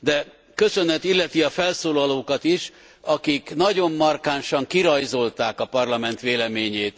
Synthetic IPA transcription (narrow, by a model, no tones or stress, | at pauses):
d̪ɛ | kø̞sø̞nɛt̪ilːɛt̪iɒfɛlsoːlɒloːkɒt̪iʃ | ɒkiknɒɟo̞mːɒrkaːnʃɒŋkiɾɒjzo̞lt̪aːkɒpɒrlɒmɛnt̪ʋeːlɛmeːɲeːt̪